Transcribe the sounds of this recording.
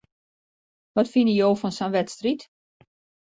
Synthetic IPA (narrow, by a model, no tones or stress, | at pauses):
ʋɔtfinijoːfɔnsanʋɛtstrit